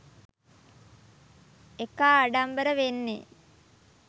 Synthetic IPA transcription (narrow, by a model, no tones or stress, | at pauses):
ekaːɖambəɾəʋenːe